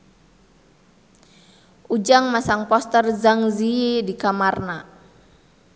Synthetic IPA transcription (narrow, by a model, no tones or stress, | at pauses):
ʔud͡ʒaŋmasaŋpɔst̪ərzaŋziidikamarna